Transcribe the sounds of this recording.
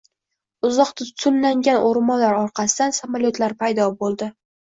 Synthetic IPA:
ʊzɒqt̪ʰʊt̪t̪ʰʊnːaŋɡʲanʔoɾmɒlaɾɒɾqʰɑsɪd̪ansamaljot̪laɾpʰajd̪ɒbolˠd̪ɪ

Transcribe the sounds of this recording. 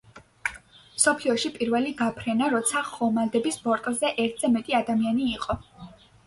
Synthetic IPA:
msɔpʰliɔʃipʼiɾvɛliɡapʰɾɛnaɾɔt̪sʰaχɔmald̪ɛbisbɔɾt̪ʼlˠzɛʔɛɾt̪ʰz̥ɛmɛt̪ʼiad̪amianiːqʼɔ

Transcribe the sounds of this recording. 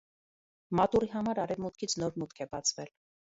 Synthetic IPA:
mɑt̪uɾiɦɑmɑɾɑɾɛvmut̪kʰit͡sʰnɔɾmut̪kʰɛbɑt͡sʰvɛl

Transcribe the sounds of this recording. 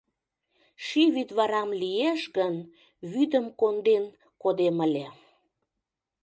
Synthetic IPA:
ʃiβyt̪βɑɾɑmlijeʃɣən | βyd̪əmkond̪en | kod̪eməlʲe

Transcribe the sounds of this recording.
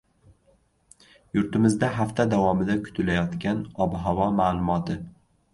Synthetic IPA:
jʊɾt̪ɪmɪzd̪aɦaft̪ʰad̪avɒmɪd̪akʰʊ̥t̪ʰɪlajɒt̪kʲanɒbɦavɒmaːlˠʊmɒt̪ɪ

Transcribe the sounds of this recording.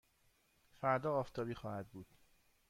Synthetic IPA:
fæɾd̪ɒːft̪ʰɒːbiːxɒːhæd̪̚buːd̪̥

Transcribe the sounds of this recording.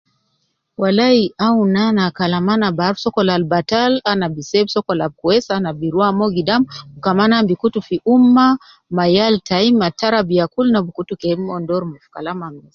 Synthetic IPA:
walaiʔaunanakalamanabaɾsɔkɔlalbatalanabisɛbsɔkɔlab̚kuɛsanabiɾwamɔɡidamukamanambikutufiʔuma | majaltaimataɾabiakulnabukutukɛmɔndɔɾmafkalamamɛs

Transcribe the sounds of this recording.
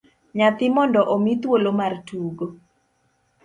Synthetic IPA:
ɲat̪ɪmɔndɔʔomit̪wolomartuɡo

